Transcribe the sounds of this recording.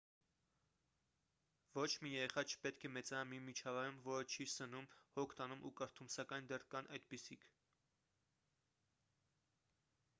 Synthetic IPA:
vɔt͡ʃʰmijɛɛχɑt͡ʃʰə̥pɛt̪kʰɛmɛt͡sɑmimit͡ʃʰɑvɑjɾumvɔɾət͡ʃʰisənumhɔkʰt̪ɑnumʔukəɾt̪ʰumsɑkɑjnd̪ɛrkɑnʔɑjd̪̚pisikʰ

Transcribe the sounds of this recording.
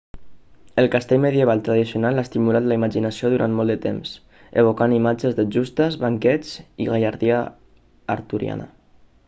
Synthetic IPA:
əlˠkast̪eʎmeðjəβ̞alˠt̪ɾəðisiunalaest̪imulat̪ləimaʒinasioðuɾant̪mɔlˠd̪ət̪ems | ḛβ̞okanimad͡ʒəzðəd͡ʒust̪əzβaŋkɛd͡ziɣajaɾðiəː | ɾt̪uɾḭa̰nə̰

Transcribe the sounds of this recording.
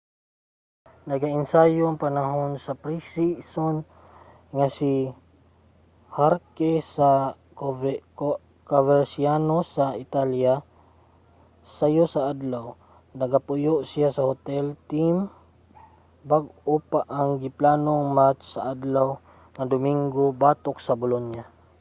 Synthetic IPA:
nɐɡaʔɪnsajoŋpanaɦonsɐpɾisison | ŋasi | haɾkɛsa | kavɛɾsianosaɪt̪alja | sajosɐʔad̪law | nɐɡapʊjoʔsijasɐhot̪ɛlt̪im | baɡopaʔaŋɡɪplaːnoŋmat͡ʃsɐʔad̪law | ŋɐd̪ʊmiŋɡobaːt̪ok̚sɐbʊlonja

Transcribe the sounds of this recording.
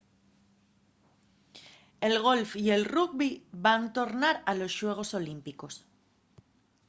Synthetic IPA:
e̞lɣ̞o̞lfie̞lrukβiβant̪o̞ɾnaɾalo̞sʃwe̞ɣ̞o̞so̞limpiko̞s

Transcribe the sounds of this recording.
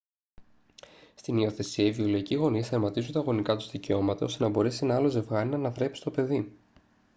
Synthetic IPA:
st̪inio̞θe̞siɐiviuloiciɣo̞nisθeɾmɐt̪izunt̪ɐːɣo̞nikɐt̪uzðice̞o̞mɐt̪ɐo̞st̪enɐbo̞ɾesinɐɐlo̞ze̞vɣɐninɐːnɐθɾe̞psi̥t̪o̞pe̞ði

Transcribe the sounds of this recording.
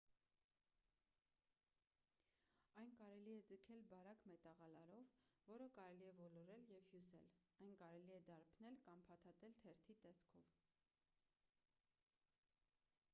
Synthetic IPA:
ɑjnkɑɾɛliɛd͡zəkʰɛlbɑɾɑkmɛt̪ɑʁɑlɑɾɔvːɔɾəkɑɾɛliɛvɔlɔɾɛljɛvhjusɛ̰lɑjnkɑɾɛliɛd̪ɑɾpʰnɛlkɑmpʰɑt̪ʰɑt̪ɛlt̪ʰɛɾt̪ʰit̪ɛskʰɔv

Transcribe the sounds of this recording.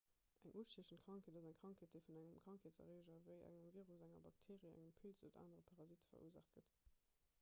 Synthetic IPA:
ʔæŋʔuʃtiəɕənkʁ̥ɑŋkʰeːdɑzæŋkχɑŋkʰeːt̚d̥əɪfunæŋəmkχɑŋkʰeːtsɐ̰ʁeːʒɐvəɪʔæ̰ŋəmviːʁusæŋɐbɑk̚tʰeːʁiəæ̰ŋəmpʰilzə̰ta̰ːnəʁəpʰɑʁɑzitə̥fɐ̰ʔṵəza̰ːχtɡ̥ət

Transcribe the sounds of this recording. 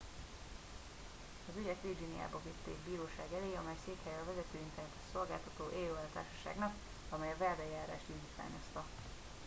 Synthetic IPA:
ɒzyɟɛkʋvird͡ʒinija̰ːbɒvit̪ːḛːɡbiːɾoːʃaːɡɛleːɒmɛjseːkhɛjɛɒvɛzɛt̪øːint̪ɛrnɛt̪ɛ̥ʃso̞lɡaːlt̪ɒt̪oːʔeːløːɛlɒt̪a̰ːrʃɒʃa̰ːɡnɒk | ɒmɛjɒvɛld̪ɛjaːɾa̰ːʃt̪ind̪iːt̪ʋa̰ːɲo̞st̪ɒ

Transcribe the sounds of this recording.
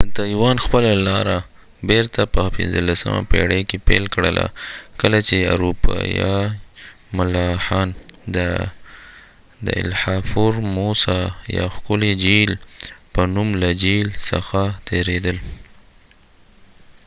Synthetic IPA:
t̪ɑjwɑnxpəlalɑɾa | beɾt̪apəpɪ̰nzəlasə̰ma̰pḛɽekepelkɽəlʔa̰kəlat͡ʃea̰ɾupɑ̰jɑ | mʊlɑxɑnd̪ə | d̪ə̰ɪ̰lhɑfuɾmosɑjɑ̰xkʊled͡ʒilpənumlad͡ʒilsə̰xat̪ʰeɾed̪əl

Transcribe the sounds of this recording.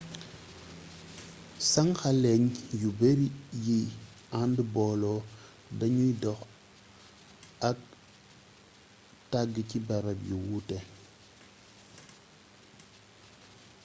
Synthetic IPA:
saŋxalɛɲjubeɾiji | andbɔlɔ | daɲujdɔx | ak̚ | taɡəcibaɾabjiwute

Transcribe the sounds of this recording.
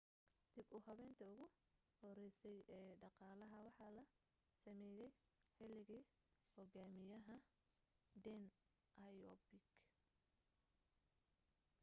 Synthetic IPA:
d̪̥ɪbuːhɐβɛːnt̪ʰɐʊɣʊ | hɔɾɛjsɛjɛːɖɑqɑːlɐɦɐwɑħɑːlɐ | sɐmɛːjɛj | ħɛlɪɣɐ | hɔɣaːmɪjɐɦɐ | d̪ɛn | ʔɐjɔbɪɡ

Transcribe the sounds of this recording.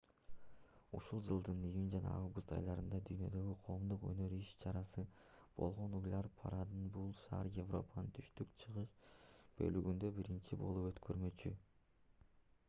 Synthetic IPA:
uʃulˠd͡ʒɯlˠd̪ɯnijunʲd͡ʒɑnɑ̰ɑvɡust̪ɑ̰jlˠɑɾɯnd̪ɑd̪yjnø̞d̪ø̞ɡiqʰo̞ːmd̪uqø̰nø̞ɾiʃt͡ʃʰɑɾɑsɯb̥o̞̰lˠʁo̞nujlʲɑɾpʰa̰ɾad̪ɯnbulˠʃɑ̰ɾjevro̞panɯnt̪ʰy̥ʃt̪ykt͡ʃʰɯʁɯʃb̥ø̞̰lyɡynd̪ø̞biɾint͡ʃibo̞̰lˠupø̞t̪kʰø̞ɾmø̞t͡ʃy

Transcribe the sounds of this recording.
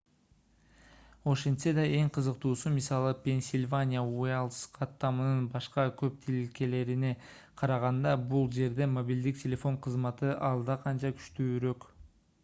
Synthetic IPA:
o̞ʃe̞nt̪se̞d̪ɑe̞ŋqʰɯzɯqt̪uːsumisɑlˠɯpʲe̞nsʲɪlʲvanʲijəuelˠsqʰɑt̪ːɑmɯnɯnbɑʃqɑkʰø̞p̚t̪ʰililke̞le̞ɾine̞ | qʰɑɾɑʁɑnd̪ɑbulˠd͡ʒe̞ɾd̪e̞mo̞bʲild̪ik̚tʲʰe̞lʲe̞fo̞ɴqʰɯzmɑt̪ɯʔɑlˠd̪ɑqʰɑnt͡ʃɑkʰy̥ʃt̪yːɾø̞k

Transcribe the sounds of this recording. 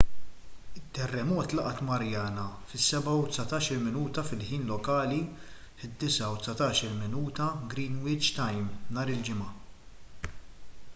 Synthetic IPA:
ɪt̪ːɛrːɛmɔːt̪lɐʔɐt̪mɐɾjɐːnɐfɪsːɛbɐwt̪sɐt̪ɐːʃɪlmɪnuːt̪ɐfɪlħiːnlɔkɐːli | fɪd̪ːɪsɐwt̪sɐt̪ɐːʃɪlmɪnuːt̪ɐɡɾiːnwɪd͡ʒt̪ɐjmnɐːɾɪld͡ʒɪmɐ

